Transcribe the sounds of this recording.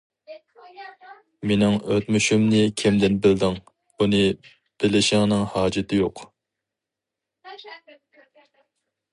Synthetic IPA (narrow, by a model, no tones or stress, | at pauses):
menɪŋøt̪myʃymnɪkʲʰɛmd̪ɪnbɪld̪ɪŋ | unɨ | b̥ɪlɪʃɪŋnɪŋhɑːd͡ʒɪt̪ʰɪjoq